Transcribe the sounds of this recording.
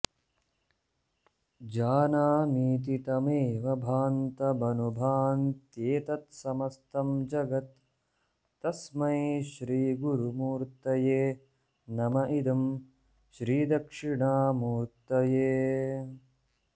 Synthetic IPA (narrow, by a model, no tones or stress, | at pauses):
d͡ʒaːnaːmiːt̪̬it̪ɐmeːʋɐbʱaːnt̪ɐbɐnubʱaːnt̪jeːt̪ɐt̪sɐmɐst̪ɐmd͡ʒɐɡɐt̪ː | ɐsmɐiʃɾiːɡuɾumuːɾt̪ɐjeː | nɐmɐʔid̪ɐm | ʃɾiːd̪ɐkʂiɳaːmuːɾt̪ɐjeː